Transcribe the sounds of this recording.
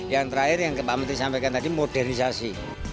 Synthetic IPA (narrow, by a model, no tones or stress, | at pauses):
jaŋt̪əɾaɪrjaŋkəpamət̪isampɛkant̪adimoɖɛrnisasi